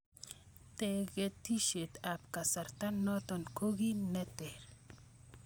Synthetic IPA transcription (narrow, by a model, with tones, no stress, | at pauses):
t̪ɛ˨ɡɛ˨t̪i˦ʃe˨t̪a˨p̚ka˨sa˨ɾt̪a˦nːɔ˦t̪ɔ˨nko˦ɣi˦nɛ˦t̪ɛ˨ɾ